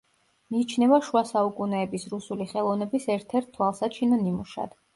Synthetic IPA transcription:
miːt͡ʃʰnɛvaʃuasaukʼunɛːbisɾusuliχɛlˠɔvnɛbisɛɾt̪ʰɛɾt̪̚ʰt̪ːʰwalˠsat͡ʃʰinanimuʃa̰d̪̥

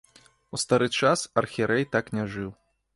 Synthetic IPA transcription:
ust̪aɾɨt͡ʂasɐrxʲiɾʔɛjt̪aknʲaʐɨw

